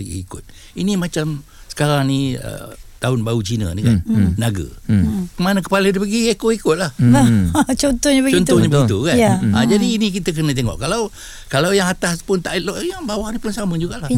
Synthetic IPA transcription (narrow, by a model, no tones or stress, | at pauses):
ɡḭikʊ̰t̪̚ | inimat͡ʃam | sə̥kaɾaŋniə̰t̪aʊnbaut͡ʃinə̰nika̰nnaɡə̰kəmanək̬ə̥palədipəɡiekoikʊt̪̚lah | t͡ʃɔnt̪ɔhɲəbəɡt͡ʃɔnt̪ɔhɲəbəɡit̪ukanaad͡ʒadiːnik̬it̪ək̬ənət̪̬eŋɔ̰ʔkalaw | kalawjaŋat̪aspʊnt̪aʔit̪̚lɔʔjaŋbawahnipʊnsaməd͡ʒuɡaʔlah